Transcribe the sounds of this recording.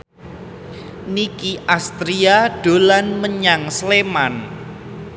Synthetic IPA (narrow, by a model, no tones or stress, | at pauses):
nikiʔast̪ɾiaɖ̥o̤lanməɲaŋsleman